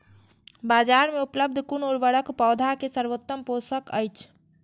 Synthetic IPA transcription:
bad͡ʒaɾmeupləb̚d̪ʱkunoɽbəɽəkpɔwd̪ʱakesəɾʋot̪ːəmposəkəjt͡ʃʰ

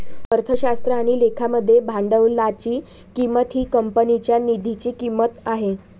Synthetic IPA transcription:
əɾt̪ʰəɕast̪ɾəaɽ̃ilekʰaməd̪ʱːjebʱaɳɖəʋlat͡ɕiː | kimət̪ɦiːkəmpənit͡ɕjanid̪ʱit͡ɕiːkimːət̪aɦe

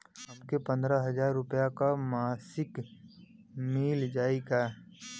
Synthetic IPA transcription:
ɦɐmkepɐ̃nd̪ɾaɦɐzaːɾːʊpjakamaːsɪk | miːld͡ʒaːikaː

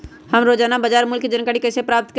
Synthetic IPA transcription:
həmɾoːd͡ʒaːnabəd͡ʒaːɾmʊlkd͡ʒənkaːɽikəsepɾaːp̚t̪k

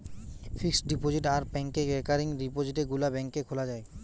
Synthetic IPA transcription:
fʰiksɖipod͡ʑiʈaɾbɛŋkeɾekaɾiŋɾipod͡ʑiʈeɡulabɛŋkekʰolad͡ʑae

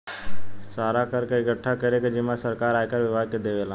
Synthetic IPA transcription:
saːɾakəɾkeɪɡəʈʰːakəɾeked͡ʒɪmasəɾkaːɾaːekəɾʋɪbʱaːd̪̚ked̪eːʋelãː

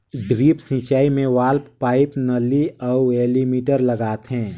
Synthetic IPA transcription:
ɖɾiːpsĩt͡ʃaːimẽʋaːlppaːɪpnəliɔːeːlimiːʈəɾləɡaːt̪ɦɛ̃ː

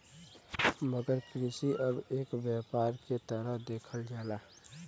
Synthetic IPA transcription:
məɡəɾkɾɪsiʔəbeːkʋjaːpaːɾket̪əɾəɦd̪eːkʰəld͡ʒaːlaː

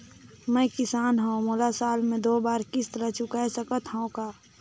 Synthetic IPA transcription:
mɛ̃ːkɪsaːnɦəõmolasaːlmẽd̪oːbaːɾkɪst̪ɾət͡ʃʊkaesəkət̪ɦə̃õkaː

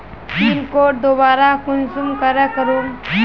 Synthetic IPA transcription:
pɾimkoʈ̚d̪obaɾakunsumkəɾakəɾuŋ

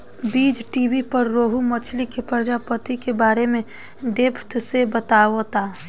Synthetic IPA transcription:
biːd͡ʒʈibipəɾːoːɦumət͡ʃʰlikepəɾd͡ʒapət̪ikebaːɾemẽ | ɖepʰt̪sebət̪aːot̪a

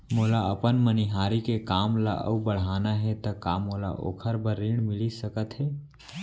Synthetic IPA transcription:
moːlaəpənməniɦaːɾikekaːmla̰ʔə̰ubəɽ̤aːnaɦɛt̪ɐkaːmola̰ʔo̰ːkʰəɾbəɾːiɳmɪlisəkət̪ɦɛː

